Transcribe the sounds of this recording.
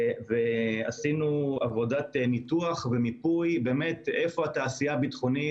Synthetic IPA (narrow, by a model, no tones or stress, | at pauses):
veasinuavo̞datnit̪uaχvemipujbeːmet̪efo̞hat̪aːsijabit̪χoni